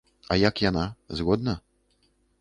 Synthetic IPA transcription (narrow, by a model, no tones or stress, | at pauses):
ajakjanazɣɔd̪nɐ